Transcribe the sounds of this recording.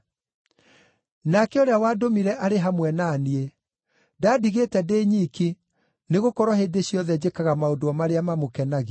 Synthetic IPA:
nakɛoɾeawaːdomiɾɛʔaɾeɦamwɛnaːnie | daːdiɣeːtɛdeːɲiki | neɣokɔɾɔɦedeɕjɔðɛd͡ʑekaɣamaodoɔmaɾeamamokɛnaɣi

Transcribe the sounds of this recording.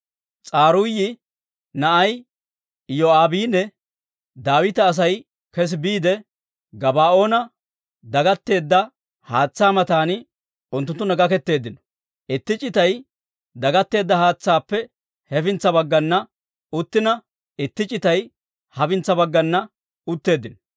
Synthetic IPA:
t͡sʼaːɾʊjːɪ | nɐʔɐj | joaːbiːnːɛ | d̪aːwɪt̪ɐːs̬ɐj | kɛs̬biːd̪ɛ | ɡɐbaːʔo̞ːnɐ | d̪ɐɡɐt̪ːe̞ːd̪ːɐ | haːt͡sːaːmɐt̪aːnɪ | ʊnt̪ːʊnt̪ːʊnɐɡɐkɛt̪ːe̞ːd̪ːɪnɔ̥ | ʔɪt̪ːɪt͡ʃʼɪt̪ɐj | d̪ɐɡɐt̪ːe̞ːd̪ːɐhaːt͡sːaːpːɛ | hɛfɪnt͡sːɐbɐɡːɐnːɐ | ʊt̪ːɪnɐ | ɪt̪ːɪt͡ʃʼɪt̪ɐj | hɐbɪnt͡sːɐbɐɡːɐnːɐ | ʊt̪ːe̞ːd̪ːɪnɔ̥

